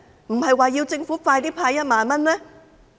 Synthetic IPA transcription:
m̩˨˩hɐ˨jwaː˨jiː˧wt͡sɪ˧ŋfu˨˥faː˧jt̪iː˥pʰaː˧jɐ˥t̚maː˨nmɐ˥nlɛː˥

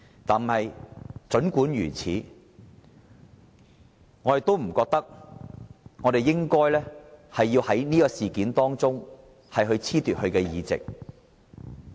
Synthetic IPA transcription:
t̪aː˨nm̩˨˩hɐ˨jt͡ʃɵ˨˥nkuː˨˥njyː˨˩t͡sʰḭː˨˥ | ŋɔː˨˧ɾe˨t̪o˥wm̩˨˩kɔː˧k̚t̪ɐ˥k̚ | ŋɔ˨˧ɾe˨jːɪ˥ŋkɔː˥jlɛː˥hɐ˨jːiː˧whɐ˨˥jniː˥kɔː˧siː˨˩kiː˨˥nt̪ɔː˥ŋt͡sʊ˥ŋ | hɐ˨jɦɵ˧ɥt͡sʰiː˥t̪yː˨t̚hɵ˧ɥkɛː˧jiː˨˧t͡sɪ̰˨k̚

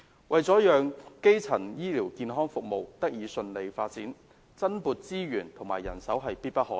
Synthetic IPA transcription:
wɐ˨jt͡sɔː˨˥jœː˨ŋke˥jt͡sʰɐ˨˩njiː˥liː˨˩wkiː˧nɦɔː˥ŋfʊ˨k̚mo˨wt̪ɐ˥k̚jiː˨˧sɵ˧nle˨˧jfaː˧t̚t͡siː˨˥n | t͡sɐ˥npuː˨˧t̚t͡siː˥ɥyː˨˩nt̪ʰʊ˨˩ŋmaː˨˩jːɐ̰˨˩nsɐ˨˥wɦɐ˨jpiː˥t̚pɐ˥t̚hɔː˨˥

